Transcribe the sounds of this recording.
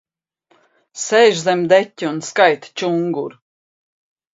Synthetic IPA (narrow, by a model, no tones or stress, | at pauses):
sɛjʒzɛmd̪ɛtʲːiunskajt̪t͡ʃuŋɡuɾ